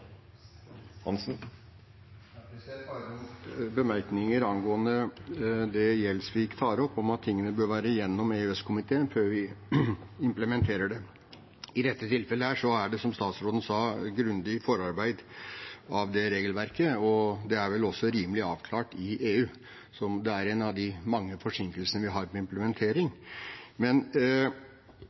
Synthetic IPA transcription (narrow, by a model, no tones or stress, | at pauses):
hɑnsn̩ | bəmæɾknɪŋəɾɑnɡoːənə | d̪ɛjɛlːsʋɪɪkːt̪ʰɑːɾəɔpːɔmɑt̪ʰːɪŋːənəbøːɾʋæːɾəjɛnːɔmeːʉɛskʰʊmɪt̪ʰeːənføːɾʋɪ | ɪmpləmɛnt̪ʰeːɾəɖɛ | ɪd̪ɛt̪ːət̪ʰɪlfɛləhæːʂɔæɖɛsɔmst̪ɑːt̪sɾoːd̪n̩sɑːɡɾʉnd̪ɪfɔɾɑɾbæɪd̪ | ɑʋd̪ɛɾeːɡəlʋæɾkəɔd̪ɛæɾʋɛlɔsːɔɾiːməlɪɑːʋkʰlɑːʈɪʔeːʉː | sɔmd̪ɛæɾɛnɑʋd̪ɪmɑŋːəfɔʂɪŋkəlsənəʋɪɦɑːɾmɛɪmpləmɛnt̪ʰeːɾɪŋmɛn